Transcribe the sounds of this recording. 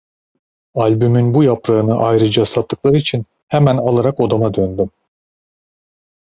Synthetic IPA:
alʲbymynbujapɾaɯnɯʔajɾɯd͡ʒasat̪ʰːɯ̥klˠaɾɯit͡ʃʰin | hɛmænalˠaɾako̞d̪amad̪ønd̪ym

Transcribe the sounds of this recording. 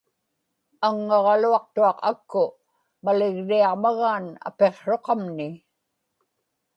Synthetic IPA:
aŋːɑʁɑluɑq̚t̪uɑqakːʊ | malɪɣriɑʁmaɣaːna̰pe̞qʂo̞qɑmnɪ

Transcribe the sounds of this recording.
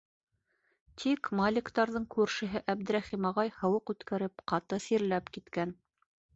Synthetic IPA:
t̪ʰikmalʲɪkt̪ɑɾðɤɴkʉɾʃɘ̆ɦɘʔæbd̪ɘ̆ɾæχimɑʁɑjhɤ̆wɤqʉt̪kæɾɘp̚qɑt̪ɤsiɾlæpkit̪kæn

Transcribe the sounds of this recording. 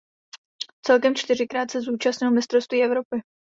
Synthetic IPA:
t͡sɛlkɛmt͡ʃt̪ɪr̝ɪkɾaːt̪sɛzuːt͡ʃastɲɪlmɪst̪ɾo̞st̪viːʔɛvɾo̞pɪ

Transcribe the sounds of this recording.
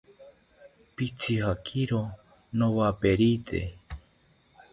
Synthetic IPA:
pit͡sʰihakʰiɾo | nowapeɾit̪ʰḛ

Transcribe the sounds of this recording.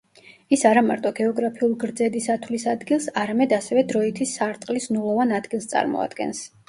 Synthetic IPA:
isaɾamaɾt̪ʼɔɡɛɔɡɾapʰiulˠɡɾd̪zɛd̪isat̪ʰwlisad̪ɡilˠsaɾamɛd̪asɛvɛd̪ɾɔit̪ʰisːaɾt̪ʼqʼlisnulˠɔvanad̪ɡilˠst̪sʼa̰ɾmɔ̰a̰d̪̥ɡɛ̰ns

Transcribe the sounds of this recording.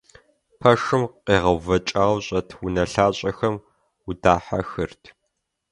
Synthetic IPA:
pʰɐʂɨmqeːʁɐwvɐt͡ʃʼaːwɕʼɐtʰwʊnɐɬaːɕʼɐxɐm | wʊdaːħa̰xɨrtʰ

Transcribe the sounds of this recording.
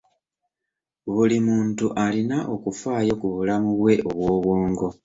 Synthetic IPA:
βulimuːntuʔalinaʔo̞kufaːjo̞kuβulamuβwe̞ʔo̞βwo̞ːβwoːŋɡo̞

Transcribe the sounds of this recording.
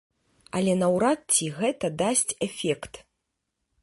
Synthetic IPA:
ɐlʲɛnɐwɾat̪̚t͡sʲiɣɛt̪ɐd̪asʲt͡sʲɛfʲɛkt̪

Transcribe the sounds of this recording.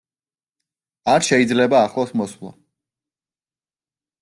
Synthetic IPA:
aɾʃɛid̪zlɛbaːχlˠɔsmɔswlˠa̰

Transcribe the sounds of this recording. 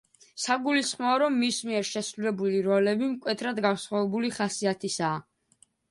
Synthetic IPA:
saɡulisχmɔːɾɔmːismiɛɾʃɛsɾulɛbuliɾɔlɛbimkʼwɛt̪ʰɾad̪ɡansχwavɛbuliχasiat̪ʰisaː

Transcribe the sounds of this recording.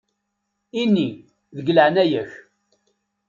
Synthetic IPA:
inːi | ðəɡləʕnæjæç

